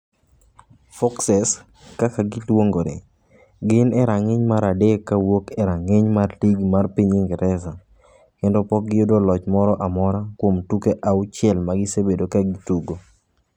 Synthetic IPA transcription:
fɔksɛs | kakaɡɪlwoŋɡoɾḛ | ɡɪnɛɾaŋɪɲmaɾadekːawokɛɾaŋeɲmarliɡmarpiɲiŋɡɪɾʔɛsa | kɛndɔpɔk̚ɡɪodolɔt͡ʃmɔɾɔʔamɔɾakwomtukeʔaʊt͡ʃɪɛlmaɡɪsebedokaɡɪtuɡo

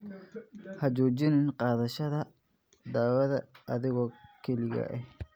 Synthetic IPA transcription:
hɐt͡ʃɔːt͡ʃɪnɪnqɑːðɐʃɐðɐ | d̪aːwɐðɐ̰ʔɐðɪɣɔːkʰɛlɪɣɐ̰ʔɛh

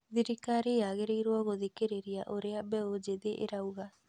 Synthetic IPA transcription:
ðiɾikaɾejaɣeɾeiɾwɔɣoðekeɾeɾiaʔoɾeabɛod͡ʒeðeʔeɾauɣa

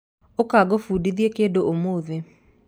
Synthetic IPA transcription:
okaɡofudiðjekedoʔomoðe

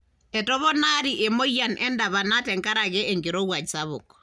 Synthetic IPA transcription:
ɛtɔβɔnaɾiʔemojːanʔɛndaβanatɛŋkaɾaɡɛeŋɡiɾowad͡ʒsaβʊk

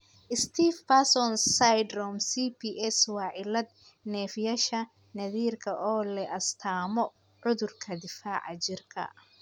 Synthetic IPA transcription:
ʔɪst̪ʰiːfpasɔnsajd̪rɔmsiːpʰiːʔɛswɑːʕɪlɐd̪̚ | nɛːfjɐʃɐ | nɐðiːrkʰɐʔɔːlɛʔɐst̪ʰaːmɔ | ʕʊðʊrkʰɐd̪ɪfaːʕɑt͡ʃɪrkʰɐ̰

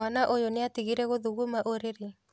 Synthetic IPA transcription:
anaʔojoneatiɣiɾɛɣoðuɣumaʔoɾeɾe

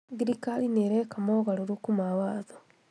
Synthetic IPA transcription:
ɡiɾikalineɾekamoɣaɾoɾukumawaːðo

